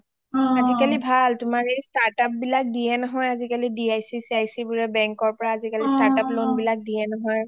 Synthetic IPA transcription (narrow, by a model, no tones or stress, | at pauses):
azikalibʱaltʊmaɹejstaɹtap̚bilak̚dijɛnɔɦɔjazikalidiajsisajsibʊɹɛbɛŋkɔɹpɔɹaːzikalistaɹtaplonbilak̚dijɛnɔɦɔj